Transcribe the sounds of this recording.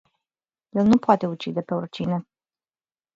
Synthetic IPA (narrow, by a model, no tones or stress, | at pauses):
jelnupoat̪e̞ut͡ʃid̪e̞pe̞urt͡ʃine